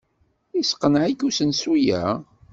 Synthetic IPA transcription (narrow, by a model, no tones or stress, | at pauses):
isqːənʕikusənsujæ̰